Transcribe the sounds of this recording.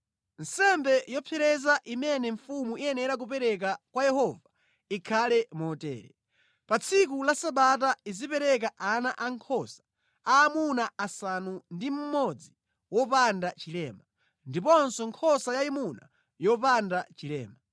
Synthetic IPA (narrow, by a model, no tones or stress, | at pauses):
n̩sɛmbɛjɔpʰɛɾɛzaʔimɛnɛɱfumuiɛnɛɾak̬upɛɾɛk̬akwajɛhɔva | ikʰalɛmɔtɛ̰ːɾɛ̰ | pat͡sʰik̬ulasaɓat̬aizipɛɾɛk̬aʔanaʔaŋkʰɔsḁ | aːmunaasanundim̩mɔd͡zi | wɔpandat͡ʃilɛma | ndipɔnsɔŋkʰɔsajaimuna̰ | jɔpandat͡ʃilɛ̰ːma